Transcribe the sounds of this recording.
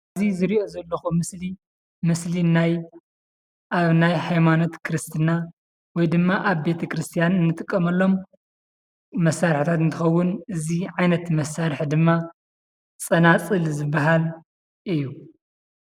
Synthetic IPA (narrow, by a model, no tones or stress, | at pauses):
zizɨɾiʔo̞zɐlːɐxumɨsli | mɨslinaj | ʔaβnajhajmano̞t̪kʰɾɨst̪ʰɨna | wɔjd̪ɨmːaʔaβbe̞t̪ʰɐkɾɨst̪ʰijanɨnːɨt̪ʼɨkʼːɐmɐlːo̞m | ɐsːaɾħt̪ʰat̪ɨnt̪ʰɨxɐwːʊnʔɨziʕajnɐt̪mɐsːaɾħd̪ɨmːa | t͡sʼɐnat͡sʼɨlzɨbːaɦal | ʔɨjːu